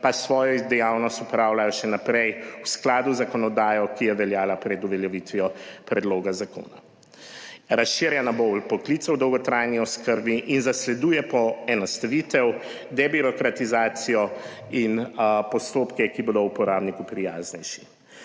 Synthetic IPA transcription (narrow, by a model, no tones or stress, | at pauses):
pasʋɔːjɔid̪ɛjawnɔst̪upɾawlajɔʃɛnapɾɛjwsklaːd̪uzakɔnɔd̪aːjɔkijɛʋɛljaːlapɾɛd̪uʋɛljɛʋit̪ʋijɔpɾɛd̪loːɡazako̰ːna | ɾasʃiɾjanabowlpɔklit̪sɛwd̪ɔwɡɔt̪ɾajniɔskəɾbiʔinzaslɛd̪ujɛpɔɛnɔst̪aʋit̪ɛw | d̪ɛbiɾɔkɾat̪izaːt̪sijɔ | inpɔst̪oːpkɛkibod̪owpɔɾaːbnikupɾijaːznɛjʃi̥